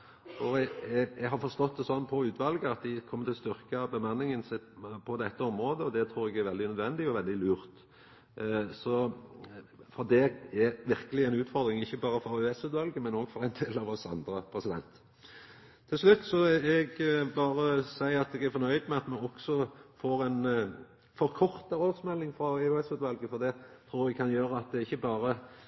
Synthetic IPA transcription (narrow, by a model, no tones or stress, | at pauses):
ɔ | ɛɡɦɑɾfɔɾst̪ɔt̪̚d̪ɛsɔnːpʰɔʉːt̪ʋɑlɡəɑt̪̚d̪ɪkʰɔmːət̪ʰɪlst̪ʏɾkəɑbəmɑnːɪŋənsɛpʰɔd̪ɛt̪ːəɔmɾoːd̪əɔd̪ɛt̪ʰɾuːɾɛɡæɾʋɛld̪ɪnœd̪ʋɛnd̪ɪɔʋɛld̪ɪlʉːɾt̪ | sɔ | fɔɾd̪ɛæʋɪɾkəlɪæɛɪnʉːt̪fɔɾd̪ɾɪŋɪçːəbɑːɾəfɔɾʉːɛsʉːt̪ʋɑlɡəmɛnoːɡ̥fɔɾæɪnd̪eːlɑʋɔsɑ̰nd̪ɾəpʰɾɛsɪd̪ɛ̰nt̪ | t̪ʰːɪlslʉt̪ːsɔɛɡbɑːɾəsæɪɑt̪ɛɡæɾfɔɾnœʏd̪mɛɑt̪mɛɔksɔfoːɾɛn | fɔɾkʰɔɾt̪əɾoːd̪smɛlːɪŋfɾɑʉɛsʉːt̪ʋɑlɡəfɔʁd̪ɛt̪ʰɾuːɾɛɡ̚kʰɑnjøːɾəɑt̪̚d̪ɛɪçːəbɑːɾə